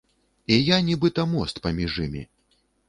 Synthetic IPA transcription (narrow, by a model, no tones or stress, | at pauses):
ijanʲibɨt̪ɐmɔst̪pɐmʲiʐɨmʲḭ